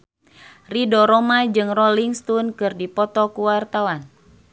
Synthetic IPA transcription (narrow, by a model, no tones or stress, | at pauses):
ridɔɾɔmad͡ʒɨŋrɔliŋst̪unkɨrdipɔt̪ɔkuwart̪awan